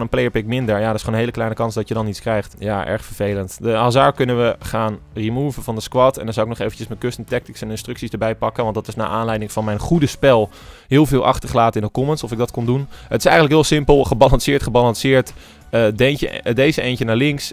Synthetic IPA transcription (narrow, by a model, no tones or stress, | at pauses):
nənplejəɹpɪk̚mɪndəɹjadəɪsχoonɦejləklɛjnəkɑnsdɑtjədɑnitskrɛjχtjaːʔɛ̰ɹχfəɹv̥ejləntdəɦazaːɹkɵnənʋəχaːnrimuːvəvɑndəskwɑtɛndɑnzawɪknɔχejvənt͡ʃəsmɛt̚køstəntɛk̚tɪksɛnɪnstrɵksizdəɹbɛjpɑkənʋɑntdɑtɪsna̰ːʔaːnlɛjdɪŋvɑnmɛjnχudəspɛlˠ | ɦɪːlˠvɪːlˠʔɑ̰χtəɹχəlaːtəɪndəkɔmənsɔfɪɡ̚dɑtkɔndunɦətɪ̥sɛjxəntləkɦɪːlˠsɪmpəlˠχəbɑlɑnsɪːɹtχəbɑlɑnsɪːɹt | ədɛnə̰dejzəejncənaːɹlɪŋks